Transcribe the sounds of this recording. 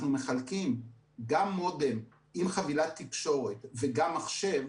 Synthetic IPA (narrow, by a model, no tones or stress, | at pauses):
nume̞χalkim | ɡamːodem | imχavilat̪ːikʃo̞ʁe̞tveɡamːaχʃe̞v